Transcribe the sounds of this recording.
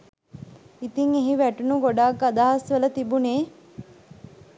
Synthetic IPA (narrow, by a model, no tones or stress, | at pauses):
it̪iŋeɦiʋæʈunuɡoɖaːkːad̪aɦasʋələt̪ibuneː